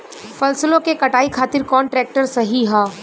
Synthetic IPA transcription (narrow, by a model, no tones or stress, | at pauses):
fɐlsəlõkekɐʈaːikʰaːt̪ɪɾkɔːnʈɾɛːk̚ʈəɾsɐɦiɦaː